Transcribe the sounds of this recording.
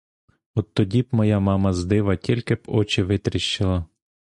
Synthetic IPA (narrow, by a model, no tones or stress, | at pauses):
ɔt̪ːɔdʲibmɔjɑmɑmɐzd̪ɪʋɐtʲilʲkɪbɔt͡ʃɪʋɪt̪ɾʲɪʃt͡ʃɪlˠɐ